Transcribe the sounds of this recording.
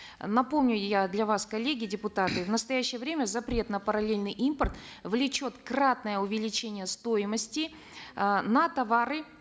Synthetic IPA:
nɐpo̞mnʲʊjad̪lʲɐvaskɐlʲːeɡʲɪdʲɪpʊt̪at̪ɨvnəst̪ɐjæɕːɪjəvɾʲemʲəzɐpɾʲe̞t̪nəpəɾɐlʲelʲnɨjʔimpərt̪vlʲɪt͡ɕo̞t̪krɾat̪nəjəʊvʲɪlʲɪt͡ɕenʲɪjəst̪o̞jɪməsʲtʲɪ | nɐt̪ɐvaɾɨ

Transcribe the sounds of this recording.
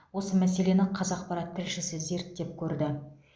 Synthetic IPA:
wo̞səmæs̬e̞le̞nɪqʰɑzɑqpɑɾɑt̪ʰːɪlʃɪsɪze̞ɾt̪ːe̞p̚kʲʰɵɾd̪ɪ

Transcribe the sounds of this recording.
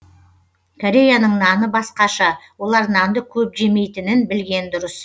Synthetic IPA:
kʰoɾʲe̞janəɴnɑnəbɑsqɑʃɑwo̞lˠɑɾnɑnd̪əkʲʰɵpʒe̞me̞jt̪ɪnɪnbɪlɡʲe̞nd̪ʊɾəs

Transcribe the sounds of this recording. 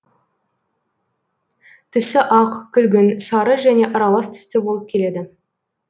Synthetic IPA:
t̪ʰʏsɪʔɑqkʲʰʏlɡʲɪnsɑɾəʒæne̞ʔɑɾɑlˠɑst̪ʰʏ̥st̪ɪbo̞lˠəp̚kʲʰe̞le̞d̪ɪ

